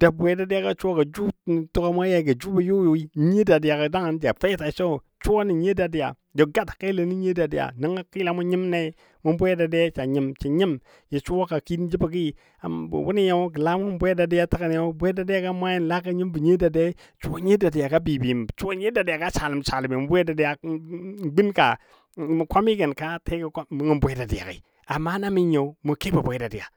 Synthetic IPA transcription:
d̥a˨bʷe˨˦da˦di˦ja˦ka˦t͡ʃu˦wo˦ɡa˨d͡ʒu˦˨tu˦ka˦ma˦ja˦˨ɡa˨d͡ʒu˦ba˨ju˦jo˨i˦ɲe˦da˨di˨ja˨ka˨da˦ŋa˨n˦d͡ʒa̰˨fe˦ta˨t͡ʃo˦˨ | t͡ʃu˦wa˦ni˨ɲe˦da˨di˨ja̰˨ | do˨ɡa˦tḁ˨ka˦le˨˦ni˦ɲe˦da˨di˨ja̰˨na˦ŋa˦ki˦la˨ma˦ɲi˦mna˦ | mu˦nbʷe˦da˨de˦t͡ʃa˨ɲi˦mt͡ʃa˨ɲi˦m | ji˨t͡ʃu˦wa˦ka˨ki˦dd͡ʒi˦ba˨ɡ̬i˦˨ | a̰˨wu˦ni˦ja˦ɡə˨la˦mu˦ŋə˦bʷe˦da˨di˦ja˦ta˦ka˨n˨˦a˦bʷe˦da˨di˦ja˦ka˦mʷ˦a˦ji˦nla˦ka˦ɲi˦mbə˨ɲe˦da˨de˦ | t͡ʃu˦o˦ɲe˦da˨di˨ja˨ka˦bi˨bi˨t͡ʃu˦wo˦ɲe˦da˨di˨a˨ka˦t͡ʃa˨li˨m˨t͡ʃa˨li˨me˨mu˨˦bʷe˦da˨di˦ja˨˦ | ɡ͡bi˦nka̰˨ | mu˨kʷa˦mi˦ɡə˨nka˦te˦ɡi˨kʷa˦mu˦ŋi˦mbʷe˦da˨di˨a̰˨kḭ˨ | a˨mːa˦na˦mi˦ɲo˨˦mu˨ke˦ba˨bʷe˦da˨di˨ja̰˨

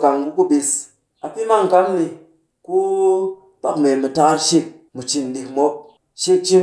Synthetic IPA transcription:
ka˨ŋɡu˦ku˦bi˧s | a˨pi˦ma˦ŋ˨ka˦ŋni˧ | ku˦ | pa̰˦kme˨mɨ˨ta˦ka˦ɾʃi˦k̚ | mu˨t͡ʃi˨n˨li˨kmo˦k̚ | ʃi˦k̚t͡ʃi˦

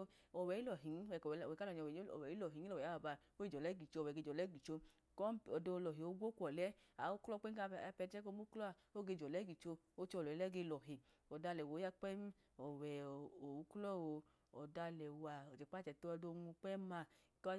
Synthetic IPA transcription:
ɔ˨wɛ˨˦i˦ɔ˨ɦi˨n˦ɛ˨ɛ˨ka˦ɔ˨ɲ˨˧˨ɛ˨˦ɔ̰˨ɛ˨i˦lɔ˨ɦi˨˦lɔ˨ɛ˨a˦a˧˨ba˧ | o˦i˦d͡ʒɔ˨lɛ˨˦ɡi˨t͡ʃo˧˨wɛ˨ɡe˧d͡ʒɔ˨lɛ˨˦ɡi˨t͡ʃo˧ | kɔ˦˨ɔ˨do˧lɔ˨ɦe˨o˨˧˦ɡʷo˦kɔ˨lɛ˦a˨˦o˦klɔ˦k͡pe˦˧pɛ˧t͡ʃɛ˦ko˧˦mu˦klɔ˦a˧ | o˦ɡe˧˨d͡ʒɔ˨lɛ˨˦ɡi˨t͡ʃo˧ | o˦t͡ʃɔ˧˨lɔ˨ɛ˨˦ɛ˦ɡe˧lɔ˨ɦe˨ | ɔ˨da˧˨lɛ˨wo˨˦ja˧˦k͡pɛ˦m˦ | ɔ˨wɛ˨o˨u˦klɔ˦˨o˧ | ɔ˨da˧lɛ˨wa˨ɔ˨t͡ʃɛ˨k͡pa˦˨t͡ʃɛ˨to˦ɔ˧do˧ŋu˧k͡pɛ˦ma˧˦ | k

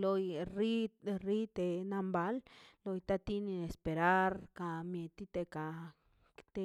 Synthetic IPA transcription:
lo˧jɾi˦ri˦t̪e˨na˧mba˧˦llo˧jt̪a˦˧t̪i˦ni˧e˨spe˨ɾa˦ɾka˨mje˨t̪i˧t̪e˧ka˨ | t̪e˧

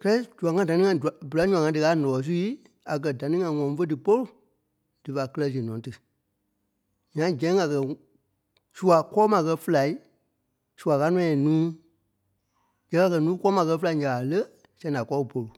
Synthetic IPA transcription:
kɛ˦ɛ˦d͡ʒu˨a˨ŋã˧˦˨da˨nĩ˦ŋã˧ĩ˨bɨ˨la˨˦ɲũ˦˨ã˨ŋã˧˦dɨ˧kaː˨˦nɔ̃˨ɔ˨˦s̬u˦i˦ | a˨k̬ɜ˨da˨nĩ˦ŋã˧i˨ŋɔ̃˨˧˦fə˦dɨ˨po˦lu˨ | d̥ɨ˨fa˨kə˦lɜ˧si˨nɔ̃˨˦tɨ˨ | ɲã˦d͡ʒɛ̃˨˦ɡa˨kɜ˨ | su˦a˨kɔː˦mã˨kɜ˧fə˦la˨i˦ | su˨a˨ka˦nɔ̃˦ɛ̃˨nũː˦ | d͡ʒɛ̃˨˦a˧kɜ˧nũː˦kɔː˦mãː˧kɜ˧fə˦la˧˨i˦ɲã˨lə˦ | sɛ̃˧˦˨da˨kɔ˦˧˨po˨lu˨

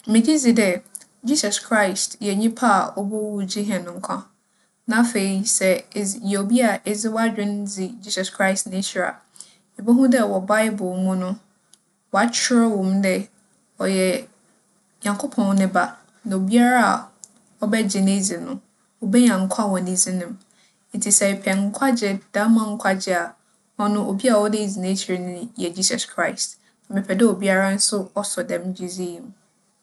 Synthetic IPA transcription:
mɪ̃˨di˦d͡zi˨dɛ˨ | d͡ʑi˦sa˨skʰɾa˦˨i˨stjɛ˨ɲĩ˦pʰa˦a̰˨ɔ˦bɔ˦wu˦˨d͡ʑi˦ɦɛ̃˨nʊ̃˨ŋ̩˦kʷʰã˦ | nã˦˨fe˨i˨sɛ˨jɛ˨o˨bi˦a˨ɛ˨zɪ˦wɔ˦a˦d͡ʑᶣɪ̃˦n˦d͡zi˨d͡ʑiː˦sɔ˨skʰɾa˦ɪ˨stnɪ̃˦ɕɾa̰˨ | ɛ˨bɔ˦ɦũ˦dɛ˦˨wɔ˨ba˦ɪ˦bʊ˨lmũ˦nʊ̃˦ | wɔ˨a˨t͡ɕʰɪ˦ɾɔ˦wɔ̃˨mdɛ˦ | ɔ˨jɛ˨ | ɲã˨ŋkʰo˦pʰɔ̃˨n˦nɪ̃˦ba˦ | nã˨o˨bi˦a˦ɾa˦a̰˨ | ɔ˦˨bɛ˦d͡ʑɪ˨ne˦d͡zi˨nʊ̃˨ | wɔ˨bɛ˦ɲã˨ŋ˦kʷʰã˦wɔ̃˨nĩ˦zi˦nɪ̃˦m | n̩˨tʰi˨sɛ˨pʰɛ˨ŋ̩˦kʷʰa˦d͡ʑɛ˨d̥a˦mã˨ŋ̩˦kʷʰa˦d͡ʑɛ˨a˨ | ɔ˦nʊ̃˦ʔo˨bi˦a˨wɔ˦de˦i˨zi˨nẽ˦t͡ɕʰi˨ɾi˨nʊ̃˦jɛ˨d͡ʑiː˦sɔ˨skʰɾa˦˨ɪ˨st | a˨mɪ̃˨pʰɛ˨dɛ˦o˨bi˦a˦ɾa˦n̩˦sʊ˦ɔ˦sɔ˨dɛ̃˨md͡ʑu˦zi˦˨m˦

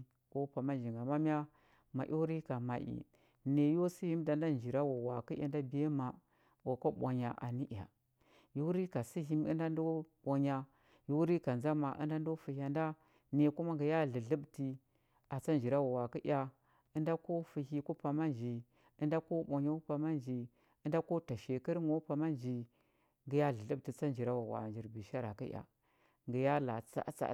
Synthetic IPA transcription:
ko˦pa˨ma˦nd͡ʒi˨ŋɡa˨ma˦m˦a˦ | ma̰˨ʔo˦wɾi˦ka˨ma˨ʔḭ˨ | ne˨jo˦si˦hi˦mda˨nda˦n˨d͡ʒi˨ɾa˦wo˨wa˨ki˦a˨˦n˦da˦bi˨je˦ma˨ | wo˨ko˦ɓʷa̰˨ɲa̰˨ʔa̰˨ni˦ʔa̰˨ | ju˦ɾi˦ka˨si˦ɦi˦m˦ɨ̰˦nda˦n˦do˦ɓo˨ɲa˦ | ju˦ɾi˦ka˨nza˦ma˨ʔɨ̰˦nda˦ndo˦fi˨ha˨nda˦ | ne˨ku˦ma˦ŋɡə˨ja˦ɮə˨ɮə˦bti˨ | a˨t͡sa˦nd͡ʒi˨ɾa˦wa˨wa˨ki˦ʔʲa˨ | ə˦nda˦ko˦fi˨hi˦ku˦pa˨ma˦nd͡ʒi˨ | ə˦nda˦ko˦ɓo˨ɲa˦u˦pa˨ma˦nd͡ʒi˨ | ə˦nda˦ko˦ta˨ʃe˨kə˦ɾŋo˦pa˨ma˦nd͡ʒi˨ | ŋɡə˨ja˦ɮə˨ɮə˦bti˨t͡sa˦nd͡ʒi˨ɾa˦wa˨wa̰˨nd͡ʒi˨ɾbi˨ʃa˦ɾa˨ki˦j̰ʲa̰˨ | ŋɡə˨ja˦la̰˨t͡sa̰˦t͡sa̰˦˨

